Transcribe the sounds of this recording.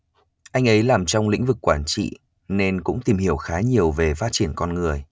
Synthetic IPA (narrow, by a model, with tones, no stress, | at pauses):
ʔa˧jŋ̟ʔə˨˦jlaː˨˩mt͡ɕɔ˧wŋ͡mlḭ̈˧˥ŋ̟vɨ˨˩kːwaː˧˩nt͡ɕḭ˧˨ | ne˧nkʊ̰˧˥ŋ͡mt̪i˨˩mhi˧˩əwxaː˨˦ɲi˨˩əwve˨˩faː˦˥t̚t͡ɕi˧˩ənkɔ˧nŋɨ˨˩əj